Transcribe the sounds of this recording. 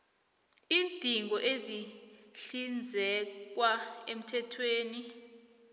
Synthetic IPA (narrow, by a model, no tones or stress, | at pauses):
iːntʼiŋɡʱɔʔeziɬind͡zʱɛk̬waem̩tʰɛtʰweːni